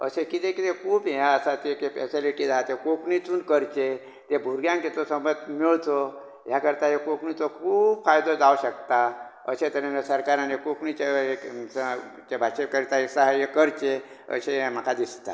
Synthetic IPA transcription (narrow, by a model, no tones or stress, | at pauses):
ə̰sekit̪ẽkit̪ẽkʰuːbɦeəsat̪ekefesiliʈid͡zaɦat̪ekoknit͡suːnkəɾt͡ɕe | t̪ebʱuɾɡjãŋket̪osəmbət̪miɭt̪o | ɦjakəɾt̪aɦekokɳit̪okʰuːbfajd̪od͡zauɕək̚t̪a | əsẽt̪əɾẽnasəɾkaɾãnekoknit͡ɕe | t͡ɕebʱaɕekəɾit̪aɦeksaɦjekəɾt͡ɕe | ə̰seɦẽm̤əkʰad̪ist̪a̰